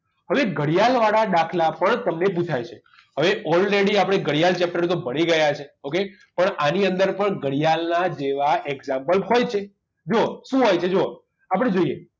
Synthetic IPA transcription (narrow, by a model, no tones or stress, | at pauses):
ɦəʋeɡəɽijalʋaɽaɗ̪akʰlapəɳt̪əmneput͡ʃʰajt͡ʃʰe | ɦəʋeʔɔlɾeɽiapɽ̃eɡəɽijalt͡ʃɛp̚ʈəɾt̪obəɽ̃iɡəjat͡ʃʰeoke | pəɳaniənd̪əɾpəɳɡəɽijalnad͡ʒeʋaʔɛɡzãmpəlɦojt͡ʃʰe | d͡ʒoʃũɦojt͡ʃʰed͡ʒo | apəɽ̃ed͡ʒoije